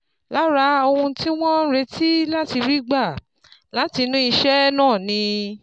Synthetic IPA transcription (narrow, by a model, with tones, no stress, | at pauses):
la˨˦ɾa˧˦o˧hũ˧ti˦w̃ɔ̃˦ɾe˧˦ti˦la˦ti˧ɾi˦ɡ͡ba˦˨ | la˨˦ti˧nũ˦i˧ʃɛ˦nãː˦˨nĩ˧